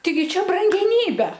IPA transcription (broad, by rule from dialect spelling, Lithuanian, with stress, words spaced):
tɐɪˈɡʲɪ ˈt͡ʃʲɛ brɐŋʲɡʲɛˈnʲiːbʲɛ